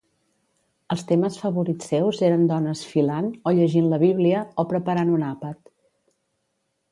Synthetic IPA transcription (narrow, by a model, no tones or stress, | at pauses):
əlˠst̪eməsfəβuɾisewzeɾənd̪ɔnəsfilanoʎəʒinləβiβliəopɾəpəɾanunapət̪